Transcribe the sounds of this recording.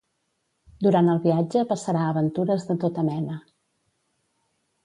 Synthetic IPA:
d̪uɾant̪əlˠβiad͡ʒəpəsəɾaəβənt̪uɾəzðət̪ot̪əmɛnə

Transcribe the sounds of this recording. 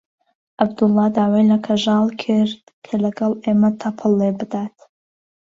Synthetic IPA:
ʔabd̪ʊlːɑd̪aːwejlɐkʰɐʒɑːlˠkʰɨɾd̪kʰɐlɐɡɑlˠeːmɐt̪ʰɐpʰɨlːebɨd̪aːt̪̚ʰ

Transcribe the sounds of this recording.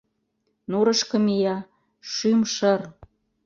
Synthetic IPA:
nuɾə̆ʃkɤ̆mijɑ | ʃymʃər

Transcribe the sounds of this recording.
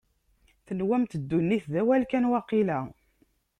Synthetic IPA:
θənwæmt̪əd̪ːunːiθðæwælkænwɑqːilæ

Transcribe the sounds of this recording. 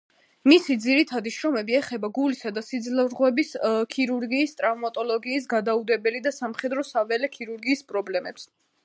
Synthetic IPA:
misid̪ziɾit̪ʰad̪iʃɾɔmɛbiɛχɛbaɡulisad̪asid̪zlavɾʁwɛbiskʰiɾuɾɡiːst̪ʼɾavmat̪ʼɔlˠɔɡiːs̬ɡad̪aud̪ɛbɛlid̪asamχɛd̪ɾɔsavɛlɛkʰiɾuɾɡiːspʼɾɔblɛmɛps

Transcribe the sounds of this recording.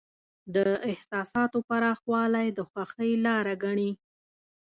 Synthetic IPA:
d̪əɪhsɑsɑt̪opaɾɑxwɑlajd̪əxwaxəjlɑɾaɡaɳi

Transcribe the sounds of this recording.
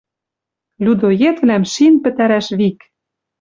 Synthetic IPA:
lʲud̪ojet̪vnæmʃinpɘ̆t̪æɾæʃβik

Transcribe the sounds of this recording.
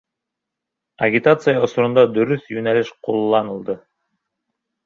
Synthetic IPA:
ɐɡʲit̪at̪sɨjausuɾund̪ɑd̪ɵɾyθjynælʲiʃqʰulˠlˠːɑnɯlˠd̪ɯ

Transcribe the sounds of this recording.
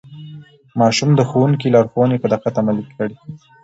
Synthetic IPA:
mɑʃumd̪əxowuŋk̬ilɑɾxowənepəd̪aqat̪amalikʰəɽi

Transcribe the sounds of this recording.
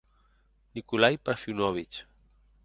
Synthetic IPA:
nikulajpaɾfiwnɔβit͡ʃ

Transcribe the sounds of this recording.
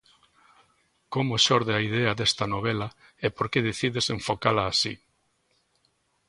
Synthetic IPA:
komoʃoɾðeaiðeɐðest̪ɐnoβelɐ | epoɾkeðeθiðeseɱfokalɐːsi

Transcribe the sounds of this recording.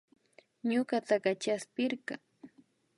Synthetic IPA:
ɲoɢat̪aɢat͡ʃaspɪɾɢa

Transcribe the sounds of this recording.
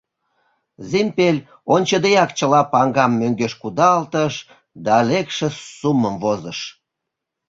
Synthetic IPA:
zimpelʲ | onʲt͡ɕəd̪ejɑkt͡ɕəlɑpɑŋɡɑmːøŋɡeʃkud̪ɑlt̪əʃ | d̪ɑlekʃĕsuməmvozəʃ

